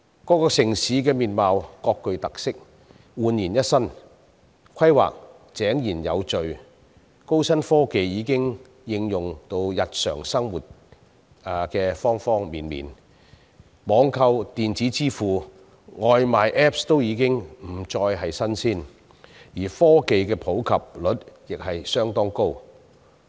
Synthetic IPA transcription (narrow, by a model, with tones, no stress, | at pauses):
kɔː˨˥kɔː˧sɪ˨˩ŋsiː˨˥kɛː˧miː˨˩nmaː˨wkɔː˧kːɵ˨˧ɥt̪ɐ˨k̚sɪ˥k̚ | wuː˨˧njiː˨˩njɐ˥t̚sɐ˥n | kʰɐ˥jwa̰ː˨k̚ | t͡sɛː˨˥ŋjiː˨˩njɐ̰˨˧wt͡ʃɵ˨ɥ | ko˥wsɐ˥nfɔː˥ke˨jjiː˨˧kɪ˥ŋ | jɪ˧ŋjʊ˨ŋt̪o˧wjɐ˨t̚sœ̰ː˨˩ŋsɐ˥ŋwuː˨t̚ː | kɛː˧fɔː˥ŋfɔː˥ŋmiː˨nmḭː˨˩n | mɔː˨˧ŋkʰɐ˧wt̪iː˨nt͡siː˨˥t͡siː˥fuː˨ | ŋɔː˨jmaː˨jʔɛː˦˥p̚st̪o˥wjiː˨˧kɪ˥ŋm̩˨˩t͡sɔː˧jɦɐ˨jsɐ˥nsiː˥˩n | jiː˨˩fɔː˥ke˨jkɛː˧pʰo˨˥wkʰɐ˨p̚lɵ˨˥t̚jɪ˨k̚hɐ˨jsœː˥ŋt̪ɔː˥ŋko˥w